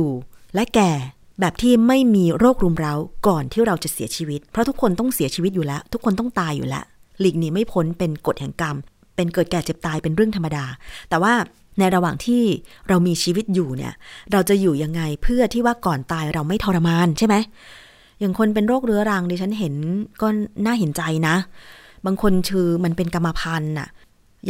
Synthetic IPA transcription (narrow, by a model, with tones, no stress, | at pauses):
uː˨˩lɛ˦˥kɛː˨˩ | bɛː˨˩p̚t̪ʰiː˥˩ma˥˩jmiː˧ɾoː˥˩k̚ɾuː˧mɾa˧wkɔː˨˩nt̪ʰiː˥˩ɾa˧wt͡ɕa˨˩si˨˩˦ɐt͡ɕʰiː˧wi˦˥t̪̚pʰɾɔ˦˥t̪ʰu˦˥kʰːo˧nt̪ɔ˥˩ŋsi˨˩˦ət͡ɕʰiː˧wi˦˥t̪̚juː˨˩lɛ˦˥t̪ʰu˦˥kʰːo˧nt̪ɔ˥˩ŋt̪aː˧jːṵː˨˩lɛ̰˦˥ʔ | liː˨˩k̚niː˨˦˩ma˥˩jpʰo˦˥npe˧nko˨˩t̪̚hɛ˨˩ŋka˧m | pe˧nkɤː˨˩t̪̚kɛː˨˩t͡ɕe˨˩p̚t̪aː˧jpe˧nɾɯ˥˩əŋt̪ʰmːa˧daː˧t̪ɛː˨˩waː˥˩ | na˧jɾa˧waː˨˩ŋt̪ʰiː˥˩ɾa˧wmiː˧t͡ɕʰiː˧wi˦˥t̪̚juː˨˩nḭ˥˩ɐɾa˧wt͡ɕa˨˩juː˨˩ja˧ŋːa˧jpʰɯ˥˩ɐt̪ʰiː˥˩waː˥˩kɔː˨˩nt̪aː˧jɾa˧wma˥˩jt̪ʰɔː˧ɾa˧maː˧nt͡ɕʰa˥˩jma˦˥j | ja˨˩ŋkʰo˧npe˧nɾoː˥˩k̚ɾɯ˨˦˥ɐɾa˧ŋdiː˧t͡ɕʰa˦˥nɦe˩˦nkɔː˥˩naː˥˩ɦe˩˦nt͡ɕa˧jna˦˥baː˧ŋkʰo˧nkʰɯː˧ma˧npe˧nka˧mːa˧pʰa˧nʔa̰˨˩ | j